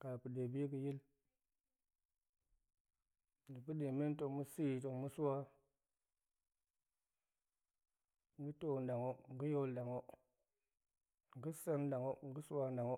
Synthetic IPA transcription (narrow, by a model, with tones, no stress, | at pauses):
ka˨pi˨de˨bi˦k̬i˨ji˦l | ɡi˨pu˦ɗe˨me˦n˦to˨mu˦si˦˨to˨mu˦su˦wa˦ | ŋ˨ɡi˦to˦˨n˨da˨ŋo˦ŋ˨ɡi˦jo˦lda˨ŋo˦ | ŋ˨ɡi˦sa˦nda˨ŋo˦ŋ˨ɡi˦su˦wa˦nda˨ŋo˦